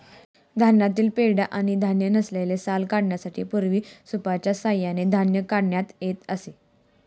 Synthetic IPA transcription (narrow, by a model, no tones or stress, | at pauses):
d̪ʱanjat̪iːlpeɭɽjaʔaɽ̃id̪ʱanjənəslajlesalkaɽɳjasaʈʰḭːpuɾʋiːsupat͡ɕjasajːaned̪ʱanjəkaɽɳjat̪jet̪əse